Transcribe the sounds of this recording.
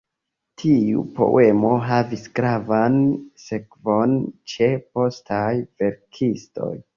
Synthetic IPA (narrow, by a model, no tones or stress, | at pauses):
tʰiṵpo̞̰wʔe̞mo̞ɦaviskɾavanse̞kvo̞nt͡ʃe̞po̞stʰajve̞ɾkʰisto̞̰j